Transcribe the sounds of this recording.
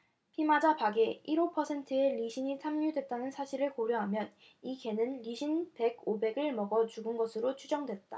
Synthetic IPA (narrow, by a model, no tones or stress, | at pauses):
pʰimad͡ʑapaɡe̞iɾopʰʌsʰe̞ntʰɯe̞ʎiɕʰiɲisʰamɲudwe̞t̚t͈anɯnsʰaɕʰiɾɯɭkoɾjʌɦamjʌn | ike̞nɯnʎiɕʰinpe̞ɡobe̞ɡɯɭmʌɡʌt͡ɕuɡɯnɡʌsʰɯɾot͡ɕʰud͡ʑʌŋdwe̞t̚t͈a